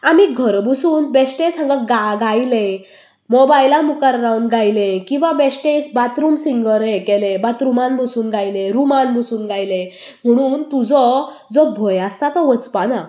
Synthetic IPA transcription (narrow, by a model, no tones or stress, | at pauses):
amiɡʱəɾbusuːnbɛsʈẽt͡sãŋɡəɡaɡajle | mɔbajlamukaɾɾawnɡajlẽkĩw̃ʋabɛsʈet͡sbat̪ɾumsiŋɡəɾɦɛkɛlẽbat̪ɾumanbusuːnɡʱajleɾumanbʱusuːnɡʱajlẽ | m̤əɽ̃uːnt̪ud͡zɔ | d͡zɔbʱɔjast̪at̪ɔʋət͡spana